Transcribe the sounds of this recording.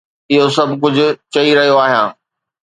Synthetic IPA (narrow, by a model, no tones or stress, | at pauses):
ɪɦosɐbʱkʊd͡ʑʱʊ̆t͡ɕɐiɾɐɦijoaːɦijãː